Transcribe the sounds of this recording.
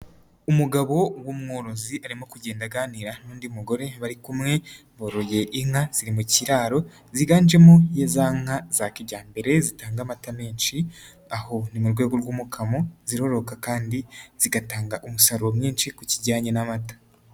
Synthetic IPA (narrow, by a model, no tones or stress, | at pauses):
umuɡaβo̞wumŋoːɾo̞ziaɾimo̞kuɟe̞ːndaɡaːniɾanuːndiumuɡo̞ɾe̞βaɾikumŋe̞ | βoɾoje̞ʔiŋ̥haz̥iɾimuciɾaːɾo̞ | ziɡaːnd͡ʒe̞mojezaːŋaz̥akiɟaːmbe̞ɾe̞zitaːŋɡamatameːnʃi | aho̞nimuɾɡwe̞ːɡo̞ɾɡwuːmukʰamo̞ziɾo̞ɾo̞kakaːndiz̥iɡataːŋɡaʔumusaɾuomɲiːnʃikuciɟaːɲenamatḁ